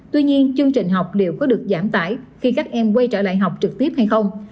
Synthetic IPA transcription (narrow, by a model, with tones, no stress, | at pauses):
t̪wi˧ɲi˧ənt͡ɕɨ˧əŋt͡ɕï˨˩ŋ̟ɦa˨˩wk͡p̚ɗe˨˩wkɔ˨˦ɗɨ˨˩ək̚zaː˧˩mt̪a̰ː˧˩jxi˧kaː˦˥k̚ʔɛ˧mkwə˧jt͡ɕəː˧˩la̰ː˧˨jɦa˨˩wk͡p̚t͡ɕɨ˨˩k̚t̪i˦˥əp̚ha˧jxə˧wŋ͡m